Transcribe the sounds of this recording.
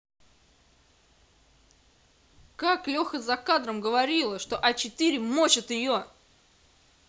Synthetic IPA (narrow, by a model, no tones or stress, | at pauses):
kaklʲo̞xəzɐkad̪ɾəmɡəvɐɾʲilˠəʂt̪o̞ʔɐt͡ɕɪt̪ɨɾʲɪmot͡ɕɪt̪ɪjo